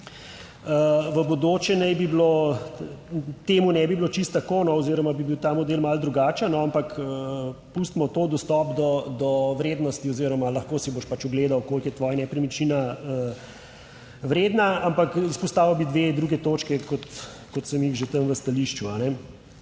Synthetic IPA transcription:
əʋəbod̪oːt͡ʃɛnɛjbiblo | t̪eːmunɛbiblot͡ʃist̪ːakonɔɔziːɾɔmabibiwt̪aːmɔd̪eːlmald̪ɾuɡaːt͡ʃənɔampakəpust̪mɔt̪oːd̪ɔst̪ɔpd̪ɔd̪ɔʋɾeːd̪nɔst̪iɔziːɾɔmalɐxkoːsiboʃpat͡ʃɔɡleːd̪awkoːlkjɛt̪ʋɔːjanɛpɾimit͡ʃinaə | ʋɾeːd̪naampakispɔst̪aːʋɐwbid̪ʋed̪ɾuːɡɛt̪oːt͡ʃkɛkɔt̪ | kɔt̪səmixʒet̪əmʋəst̪aliʃt͡ʃuanɛ

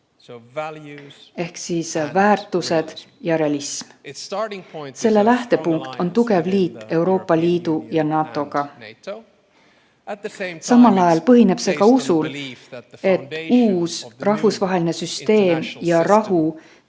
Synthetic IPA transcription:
e̞hksiːsvæːrt̪ːˑuse̞d̪̥jɑɾe̞ɑlism | se̞lːe̞læht̪e̞puŋkt̪o̞nt̪uɡe̞vliːt̪ːˑe̞wɾo̞ːpːˑɑliːd̪̥ujɑnɑːt̪ːˑo̞ɡ̥ɑ | sɑmɑlɑjɑlpɤ̞ɦine̞b̥se̞ːkɑusul | e̞t̪ːˑuːsrɑɦvusvɑɦe̞line̞syst̪e̞ːmjɑɾɑhu

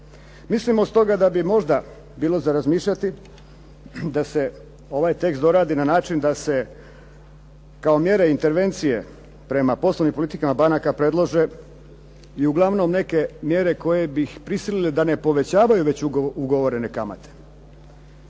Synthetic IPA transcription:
mislimost̪o̞ɡad̪abimo̞ʒd̪a | biːlˠo̞zaɾazmiːʃʎʲat̪i | d̪ase̞ | o̞ʋajt̪e̞ksd̪o̞ɾaːd̪inanaːt͡ʃind̪ase̞ | kao̞mje̞ɾe̞int̪e̞ɾʋe̞nt̪sije̞̰ | pɾe̞mapo̞slˠoʋnimpolit̪ikamabanakapɾe̞d̪lˠoʒe̞ | iuɡlˠaʋno̞mne̞ke̞mje̞ːɾe̞ko̞je̞bixpɾisililed̪ane̞po̞ʋe̞t͡ɕaːʋajuʋe̞t͡ɕuuɡoʋo̞ɾe̞ne̞kama̰t̪ʰe̥

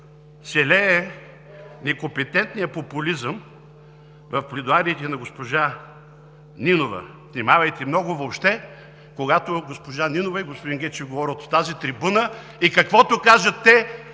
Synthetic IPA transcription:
sɛlɛɛ | nɛkompɛt̪ɛnt̪nijɐpopʊlizəm | vɐfplʲid̪ʊaɾiːt̪ɛnɐɡospoʒa | ninovɐ̰ | snimavɐjt̪ɛmnɔɡʊvoːpʃt̪ɛ | koɡat̪oɡospoʒaninovɐiɡospʊd̪inɡɛt͡ʃɛvɡovɔɾʲlt̪o̥t̪azit̪ɾibunə | ikɐkvɔt̪ʊkaʒɐt̪ːɛ

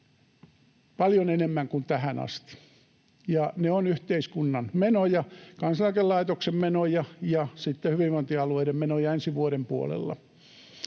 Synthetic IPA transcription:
pɑljonenemːæŋkunt̪æhænɑ̰st̪i̥ | jɑneonyht̪eiskunːɑnmenojɑkɑnsɑlɑkellɑit̪oksemmenojɑjɑsit̪ːehyʋiʋʋont̪iɑlueiɾemmenojɑensiʋuoɾempuo̰lḛlːɑ̰

